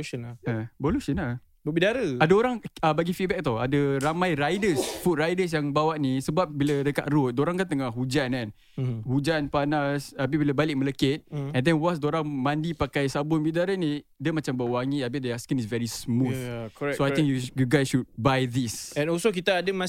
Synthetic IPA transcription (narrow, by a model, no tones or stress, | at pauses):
ʃənəboluʃəna | bəbidaɾəadaoɾaŋabaɡifit̚bɛk̚t̪ɔa̰dəɾamãjɾajdəsfut̪̚rajdəs̬jaŋbawaʔ̚nisəbap̚biladəka̰ʔɾʊt̪̚doɾaŋkant̪əŋahɦud͡ʒanãn | hud͡ʒanpanasap̬ibilabalɪk̚mələkɪt̪̚ɛ̃ndɛnwas̬doɾaŋmãndipakajsabʊnbidaɾənĩdəmat͡ʃambawaŋiabiʔ̚deaskənisvɛɾismuθkoaj̪ĩŋkjuɡuɡajsʃud̚bajd̪isɛ̃nɔsok̬it̪aːdəma